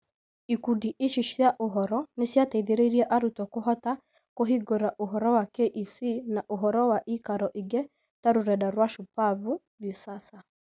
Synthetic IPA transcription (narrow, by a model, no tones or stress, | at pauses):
ikudiʔeʃiʃjaʔoɦɔɾɔnesjataiðeɾeiɾiɛʔaɾutɔkoɦɔta | koɦiɡoɾaʔoɦɔɾɔwakeʔisinaʔoɦɔɾɔwaʔikaɾɔʔiɡɛ | taɾuɾɛdaɾwaʃupavu | vjosasa